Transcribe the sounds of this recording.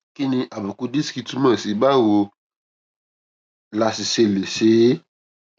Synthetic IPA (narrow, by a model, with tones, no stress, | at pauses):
ki˦nĩ˧ʔa˨bu˨ku˧di˦ski˧tu˦mɛ̃˦˨si˨ba˦˨wo˧ | la˧si˨se˧le˨se˨˦